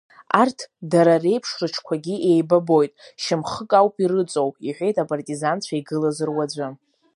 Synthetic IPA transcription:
artʰdaɾare̞jpʰʂrɨʈ͡ʂʰkʷʰaɡʲiʔe̞jbabo̞jtʼʃɪmχəkʼawpʼiɾɨt͡sʼo̞wiħʷᶣe̞jtʼapʼartʼizant͡ɕʷʰaiɡɨlazɨrwad͡zʷɨ

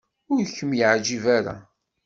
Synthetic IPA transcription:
ʊɾçəmjəʕd͡ʒivaɾa̰

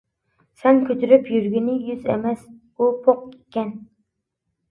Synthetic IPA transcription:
sɛnkʲʰøt̪ʰyɾypjyɾɡʲinɪjyzɛ̰mɛs | upʰoq̚ekʲɛn

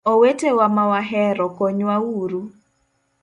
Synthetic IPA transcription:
owetewamawaɦɛɾɔkoɲwawuɾu

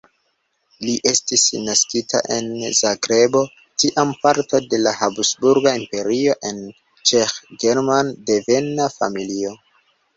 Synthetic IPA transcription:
liʔe̞stisnaskitʰa̰ʔe̞̰nzaɡɾe̞bo̞ | tiʔampaɾto̞de̞lahabsbuɾɡaimpe̞ɾio̞ʔe̞n | t͡ʃexɡeɾmande̞ve̞nafa̰milio̞

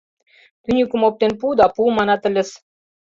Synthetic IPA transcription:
t̪ynʲykə̆mop̚t̪enpud̪ɑpumɑnɑt̪ə̆lʲɘ̆s

